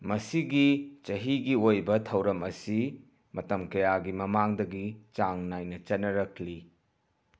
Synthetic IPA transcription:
mɐsiɡit͡ʃɐɦiɡiojbɐtʰɐwɾɐmɐsi | mɐtɐmkɐjaɡimɐmaŋdɐɡit͡ʃaŋnajnɐt͡ʃɐnːɐɾɐkʰli

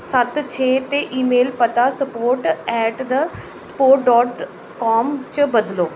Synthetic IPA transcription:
sɐt̪t͡ʃʰet̪eʔiːmeːlpɐt̪asɐpoːɾʈɛːʈd̪ə | sə̥poːɾʈ̚ɖɔːʈ | kɔːmt͡ɕəbɐd̪loː

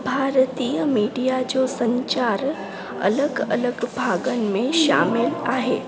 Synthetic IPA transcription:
bʱaːɾt̪ijəmiːɖijad͡ʑosɐ̃ɲt͡ɕaːɾ | ɐ̰ləɡɐ̰ləɡbʱaːɡənɪ̆mẽʃa̰ːmɪlaːɦeː

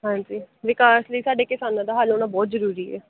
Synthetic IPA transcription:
ɦãːd͡ʒiːʋɪkaːsləiːsaːɖeːkɪsaːnãːd̪aːɦaːlɦoːñaːbɔːt̪zəɾuːɾiːɛ̰ː

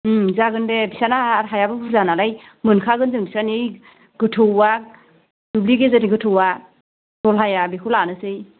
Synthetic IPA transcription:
zaɡɯndebisanaɾɦajabɯbuɾzanalaj | mɯnkʰaɡɯnzɯŋbisanij | ɡɯtʰɯwa | d̥ubliɡezɯniɡɯtʰɯwa | d̥ɔlɦajabikʰulanɯsɯj

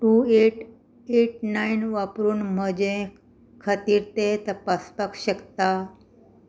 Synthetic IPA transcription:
ʈueʈ | eʈnainʋapɾuːnm̤əd͡ʑẽ | kʰət̪iːɾt̪et̪əpaspakɕəkt̪a

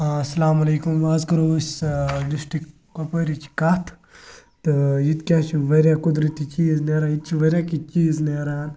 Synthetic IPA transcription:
asɐlaːmɐleːkumʋaːzkɐɾoːsd̪usʈi | kɐpəɾit͡ʃʰi̥kɐt̪ʰ | t̪ɨjit̪kʲaːt͡ʃʰiʋɐɾʲjakud̪ɾɐt̪it͡ʃiːzneːɾajit̪̚t͡ʃʰiʋɐɾʲjaːkit͡ʃiːzneɾaːn

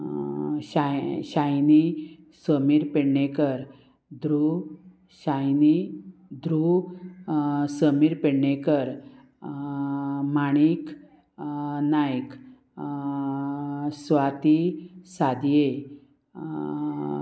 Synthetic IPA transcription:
ɕaɕajni | səmiːɾpeɽnekəɾ | d̪ɾu | ɕajnid̪ɾu | səmiɾpeɽɳekəɾ | maɽ̃ik | najk | sʋat̪isad̪je

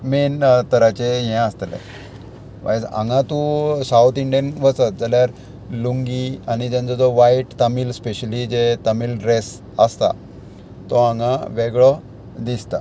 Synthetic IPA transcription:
ment̪əɾat͡ɕejɛ̃əst̪lḛ̃ | ʋa̰jd͡zã̰ŋɡãt̪ũsaut̪iɳɖijənʋəsət̪̚d͡zəljaɾ | luŋɡiañid͡ʑɛ̃nd͡zɔd͡zɔʋajʈt̪əmiːlspeɕəlid͡ʑet̪əmiːlɾes | əst̪a̰ | t̪ɔãŋãʋeɡɭɔ | d̪ist̪a̰

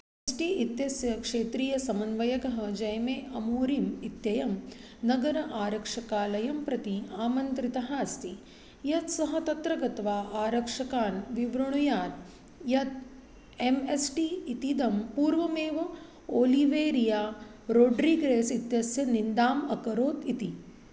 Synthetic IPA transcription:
esʈiit̪jɐsjɐkʂeːt̪ɾiːjɐsɐmɐnʋɐjɐɡɐɦɐd͡ʒɐjmeːʔɐmuːɾimit̪jɐjɐm | nɐɡɐɾɐʔaːɾɐkʂɐkaːlɐjɐmpɾɐt̪iaːmɐnt̪ɾit̪ɐɦaːst̪i | jɐt̪sɐɦɐt̪ɐt̪ɾɐɡɐt̪ʋaːʔaːɾɐkʂɐkaːnʋiʋɾɐɳujaːɾ | jɐt̪ | emesʈiːt̪id̪ɐmpuːɾʋɐmeːʋɐ | oːliʋeːɾijaːɾoːɖɾiɡɾeːsit̪jɐsjɐnind̪aːmɐkɐɾoːt̪it̪i

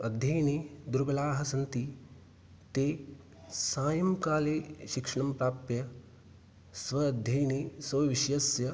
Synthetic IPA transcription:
ɐd̪ʱjɐjnid̪uɾbɐlaːɦɐsɐnt̪i | t̪eː | saːjɐmkaːleːʃikʂɐɳɐmpɾaːpjɐ | sʋɐːd̪ʱjɐjnisɐʋiʃjɐsjɐ

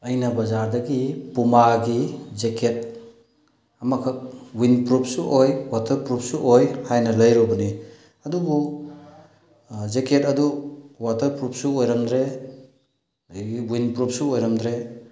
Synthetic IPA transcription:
ɐjnɐbɐzaɾdɐɡipumaɡizekʰet̚ | ɐmakʰɐk̚winpɾup̚suʔojwatʰɐɾpɾup̚suʔojhajnɐlɐjɾubɐni | ɐdubu | zekʰetɐduwatɐɾpɾup̚suojɾɐmdɾe | ɡiwinpɾup̚suojɾɐmd̪ɾe

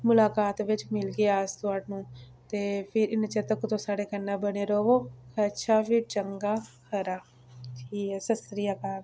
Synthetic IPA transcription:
mʊlaːkaːt̪ʋɪt͡ʃmɪlɡeaːst̪ʊaːʈnũːt̪eːpʰɪɾɪnt͡ʃət̪əkt̪õːsaːɽeːkənːaːbəneːɾoːʋoːkʰəʃʰaːpʰit͡ʃəŋɡaːkʰəɾaː | ʈʰiːkɛːsəsɾijaːkaːt̪

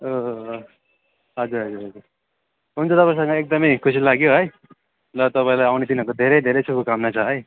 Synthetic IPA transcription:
o | ɦʌd͡zuɾɦʌd͡zuɾɦʌd͡zur | ɦunt͡sʰʌt̪ʌpãsʌŋɡʌek̚d̪ʌmʌjkʰusilaɡjoɦʌj | lʌt̪ʌpãĩlajawnet̪inɦʌɾkod̪ʱeɾʌjd̪ʱeɾʌjt͡sʰubukamnat͡sʰʌɦʌj

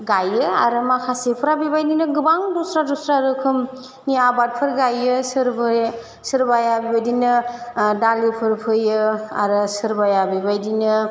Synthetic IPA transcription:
ɡajɯaɾɯmakʰasepʰɯɾabibajdinɯɡɯbaŋdɔsɾadɔsɾaɾɯkʰɯm | niabat̚pʰɯɾɡajɯsɯɾb | sɯɾbajabibajdinɯdalipʰɯɾpʰɯjɯa̰ɾɯsɯɾbajabibajdinɯ

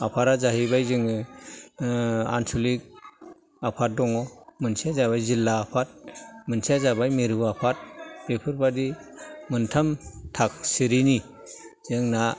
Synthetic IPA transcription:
apʰaɾazaɦibajzɯŋɯ | a̰nsulik̚ | apʰat̚dɔŋɔmɯnsiazaβajzilːaːpʰat̚mɯnsiazabajmiɾɯbapʰat̚bepʰɯɾbadimɯntʰamtʰak̚siɾini | z̥ɯŋna

